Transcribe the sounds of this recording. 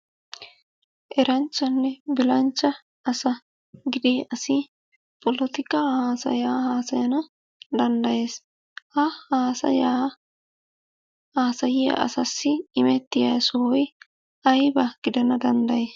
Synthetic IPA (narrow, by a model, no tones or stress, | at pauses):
ʔɛɾɐnt͡ʃːɐnːɛbɪlɐnt͡ʃːɐ | ɐsɐ | ɡɪd̪eːʔɐsɪ | pɔlɔt̪ɪkːɐhaːsɐ̰jaːhaːsɐjɐnɐ | d̪ɐnd̪ɐjeːs | hɐhaːsɐ̰ja | haːsɐjɪjɐ̰ʔɐ̰sɐsːɪɪmɛt̪ːɪjɐːsʊwɔj | ʔɐjbɐɡ̥ɪd̪ɐnɐd̪ɐnd̪ɐjeːs